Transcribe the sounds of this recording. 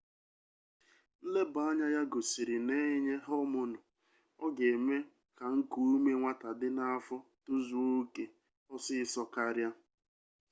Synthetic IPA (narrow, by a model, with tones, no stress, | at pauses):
n̩˦le˦ba˨˦a˦ɲa˦ja˦ɡo˨si˨ɾi˨ne˦ɲe˦ɦɔ˦mʊ˨nʊ˨ | ɔ˦ɡe˨me˦ | ka˨ŋ̩˦ku˦me˦ŋʷa˦ta˨dɪ˦na˦a˦fɔ˦tʊ˦zu˦o˦ke˨ | ɔ˦sɪ˦sɔ˦ka˦ɾja˦